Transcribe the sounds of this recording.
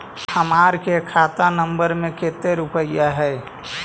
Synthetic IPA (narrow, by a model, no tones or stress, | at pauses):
həmaːɾkekʰaːt̪anəmbəɾmẽket̪eɾʊpəijaɦɛɪ